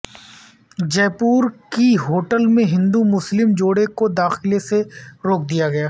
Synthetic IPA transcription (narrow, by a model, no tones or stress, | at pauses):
d͡ʒɛːpuːɾkiɦoːʈəlmẽɦɪ̃nd̪umʊslɪmd͡ʒoːɽekod̪aːxɪleseɾoːk̚d̪ijaɡɐjaː